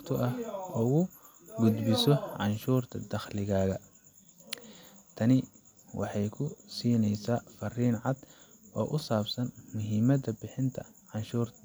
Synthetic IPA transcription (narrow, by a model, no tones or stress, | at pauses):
t̪ʰʊʔɐhɔːɣʊ | ɡʊd̪bɪsɔʕɑnʃuːrt̪ʰɐd̪ɐχlɪɣaːɣɐ | t̪ʰɐnɪ | wʔɑ̰ħɑjkʰʊsiːnɛjsaːfɐriːnʕɑd̪̥ʔɔːʔʊsaːbsɐnmʊɦimɐd̪ɐbɪħɪnt̪ʰɐ̰ | ʕɑnʃuːr